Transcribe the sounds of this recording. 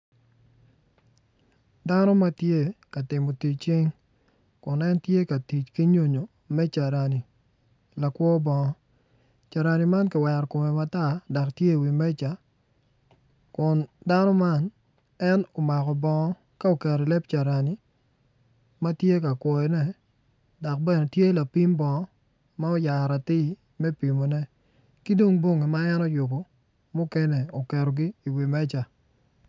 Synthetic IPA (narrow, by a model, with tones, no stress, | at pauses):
da˦nɔ˦ma˦tje˦ka˨tɪ˨mo˨ti˨t͡ʃi˦ŋ | kʊ˨nɛ˦ntje˦ka˨ti˨t͡ʃki˦ɲo˨ɲo˨ | mɛ˦t͡ʃa˨ɾa˨ni˨ | la˨kwɔ˦bɔ˨ŋɔ˦ | t͡ʃa˨ɾa˨ni˨ma˦nkɪ˨wɛ˨ɾko˨mɛ˨ma˨ta˦˨dɔ˨ktje˦i˨wi˨mɛ˦t͡ʃa˨ | kʊ˨nda˦nɔ˦ma˦n | ɛ˦no˨ma˨kɔ˨bɔ˨ŋɔ˦ | ka˦o˨kɛ˨ɾɔ˨lɛ˦p̚t͡ʃa˨ɾa˨ni˨ | ma˦tje˦ka˨kwɔ˨jɔ˨nɛ˦ | dɔ˨k̚bɛ˦ne˨tje˦la˨pi˦mbɔ˨ŋɔ˦ | ma˦o˦ja˨ɾa˨tɪ˦˨ | mɛ˦pi˨mo˨nɛ˦ | ki˦do˦ŋbwo˦ŋei˨ma˦ɛ˦no˦jʊ˨bo˨ | mu˦kɛ˦nɛ˨o˨kɛ˨ɾo˨ɡiː˦˨wi˨mɛ˦t͡ʃa˨